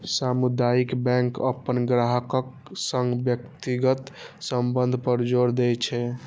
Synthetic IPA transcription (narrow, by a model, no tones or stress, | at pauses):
samud̪ajikbɛ̃ŋkə̰pːənɡɾaɦəkək̚ | səŋɡbjəkt̪iɡət̪səmbənd̪ʱpəɾd͡ʒoɾd̪ɛt͡ʃʰɛ